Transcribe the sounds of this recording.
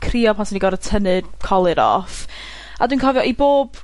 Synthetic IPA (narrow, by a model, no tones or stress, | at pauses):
kʰriːɔpʰɔnsiniɡɔɾətʰənɨd̥kʰɔlˠɨɾɔ̰f | adwinkʰɔvjɔʔiboːb̥